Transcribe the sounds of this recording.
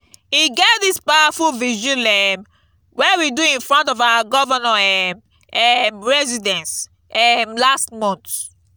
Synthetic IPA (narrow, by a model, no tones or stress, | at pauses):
iɡɛtdispawafulvid͡ʒũlɛm | wɛwiduĩnfɹɔ̃ntɔvawaɡɔvanaɛm | ɛmɹɛzidɛ̃ns | ɛmlastmɔ̃nt